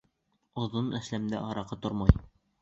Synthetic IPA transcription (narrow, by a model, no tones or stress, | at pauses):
ŏðonæslæmd̪æ̰ʔɑɾɑqɤt̪oɾmɑj